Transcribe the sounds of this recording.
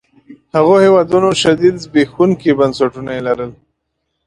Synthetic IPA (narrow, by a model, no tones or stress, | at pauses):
haɣohewɑd̪unoʃad̪id̪zbexunkebansaʈunaelaɾəl